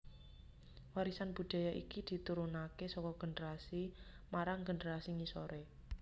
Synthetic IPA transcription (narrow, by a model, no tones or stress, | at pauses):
waɾisanb̥ṳd̪̥a̤jaʔikid̪̥i̤t̪uɾunakesɔkɔɡ̥ə̤nəɾasi | maɾaŋɡə̤nəɾasiŋisɔɾe